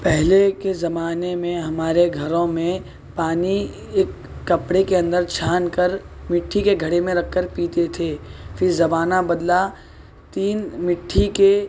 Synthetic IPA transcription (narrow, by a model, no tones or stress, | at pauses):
pɛɦlekezɐmaːnemẽɦɐmaːɾeɡʱɐɾõmẽ | paːni | eːkː | ɐpɽekeɐ̃nd̪əɾt͡ʃʰaːnkɐɾ | mɪʈʰːikeɡʱɐɽemẽɾɐkʰːəɾpiːt̪et̪ʰeːfʰɪɾzɐbaːnabɐd̪la | t̪iːnmɪʈʰːike